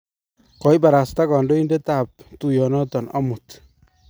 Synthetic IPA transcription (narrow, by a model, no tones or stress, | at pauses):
kɔjbaɾast̪aɡɔnɖɔindet̪ap̚t̪ujɔnɔt̪ɔnɔ̰mut̪